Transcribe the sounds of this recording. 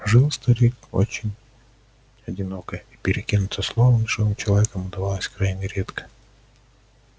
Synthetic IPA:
ʐɨlˠst̪ɐɾʲiko̰t͡ɕɪnʲ | ɐdʲɪno̞kəjipʲɪɾʲɪkʲinʊt̪əslˠovənʂt̪obɨmt͡ɕɪlˠɐvʲekəmʊd̪ɐvalˠəsʲkɾajnʲɪɾʲet̪kə̥

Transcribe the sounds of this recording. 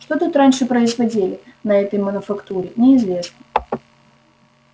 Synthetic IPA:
ʂt̪ot̪ut̪ɾanʲʂɨpɾəɪzvɐdʲilʲɪnɐɛt̪əjmənʊfɐkt̪uɾʲɪnʲɪːzvʲe̞snə

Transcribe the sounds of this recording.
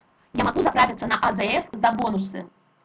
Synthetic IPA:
jamaɡuzɐpɾavʲɪt̪sːənɐʔɐzɛɛszɐbɔnusɨ̰

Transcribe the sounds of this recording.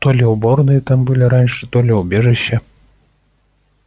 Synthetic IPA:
t̪ɔlʲɛwbɔrnɨjɛt̪ambɨlʲiɾanʲʂɨ̥t̪ɔlʲɛwbʲɛʐɛɕːɐ

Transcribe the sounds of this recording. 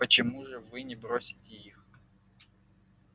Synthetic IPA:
pət͡ɕɪmuʐɨvɨnʲɪbɾosʲɪ̥tʲɪix

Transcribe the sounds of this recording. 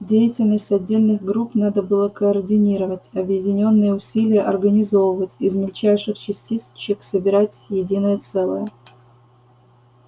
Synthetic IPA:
dʲejɪtʲɪlʲnəsʲtʲɐdʲːelʲnɨɣɡɾupnad̪əbɨlˠəkəːrdʲɪnʲiɾəvətʲɐbjɪdʲɪnʲo̞nːɨjəʊsʲilʲɪjəʔɐrɡənʲɪzo̞vəvətʲɪzmʲɪlʲt͡ɕæjʂɨxt͡ɕɪsʲtʲist͡ɕːɪksəbʲɪɾatʲjɪdʲinəjət̪sɛlˠəjə

